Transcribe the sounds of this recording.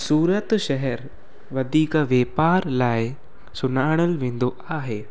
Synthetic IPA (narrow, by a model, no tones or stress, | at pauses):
suːɾət̪ʃɛɦɛɾ | ʋɐd̪ʱiːkəʋjeːpaːɾlaːɪ | sʊnaːɽ̃əlʋẽːn̆d̪o | aːɦeː